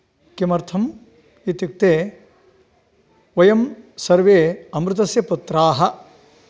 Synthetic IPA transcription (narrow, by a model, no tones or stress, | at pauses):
kimɐɾt̪ʰɐm | it̪ik̚t̪eː | ʋɐjɐmsɐɾʋeːɐmɾɪt̪̬ɐsjɐput̪ːɾaːɦɐ